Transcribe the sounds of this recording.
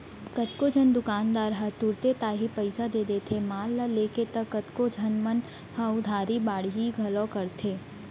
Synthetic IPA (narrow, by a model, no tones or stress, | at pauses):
kət̪kod͡ʒʱənd̪ʊkaːnd̪aːɾɦɐt̪ʊɾt̪et̪aːɦipəɪsad̪eːd̪et̪ʰemaːlːaleːket̪ɐkːət̪kod͡ʒʱɐnmən | hɐʊd̪ʱaːɾibaːɽ̤iɦiɡʱɐlõkɐɾt̪ʰeː